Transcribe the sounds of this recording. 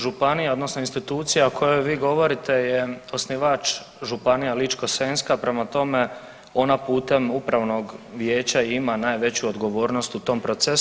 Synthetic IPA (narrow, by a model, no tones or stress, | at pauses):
ʒupanijao̞d̪no̞sno̞inst̪it̪uːt̪sijaokʰo̞jo̞jʋiːɡo̞ʋo̞ɾit̪e̞jeosniʋat͡ʃ | ʒupanijalit͡ʃko̞senskapɾe̞mat̪o̞me | o̞napuːt̪e̞mupɾaʋno̞ɡʋje̞ːt͡ɕaimanaːjʋe̞t͡ɕuod̪ɡo̞ʋo̞ːɾno̞st̪ut̪o̞ːmpɾo̞t̪ses